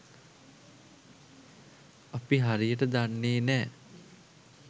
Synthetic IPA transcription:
apiɦaɾijəʈəd̪anːeːnɛː

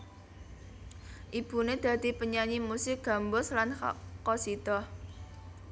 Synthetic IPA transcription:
ʔib̥ṳned̪̥ä̤d̪̥i̤pəɲaɲimusɪk̚ɡ̥a̤mbʊslankosid̪̥ɔh

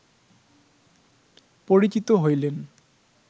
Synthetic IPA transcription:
poɾit͡ɕit̪oɦojlen

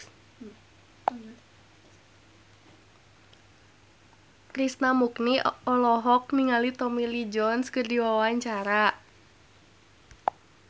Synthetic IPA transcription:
kɾisnamukniɔlɔɦɔk̚niŋalit̪ɔmilid͡ʒɔnskɨrdiwawaɲt͡ʃaɾa

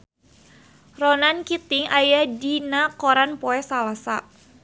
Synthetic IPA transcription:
rɔnankit̪ɪŋajadinakɔɾanpɔɛsalasa

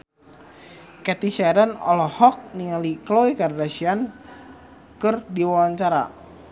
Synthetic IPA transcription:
kɛt̪isaaɾanɔ̰lɔhɔk̚niŋaliklowikardasian | kɨrdiwawaɲt͡ʃaɾa̰

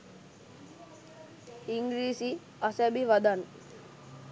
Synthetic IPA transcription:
iŋɡɾiːsi | asɛbiʋad̪an

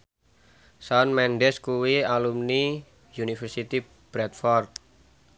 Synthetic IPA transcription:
sanmɛnɖɛskuwialumni | junifərsit̪i | b̥ɾɛt̪̚fɔrt̪̚

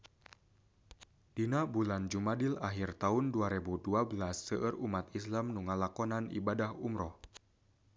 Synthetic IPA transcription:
d̥inabuland͡ʒumadɪlaɦirt̪aʊnduaɾebuduabəlasːəʔərumat̪islamnuŋalakɔnanḭbadahumɾɔh

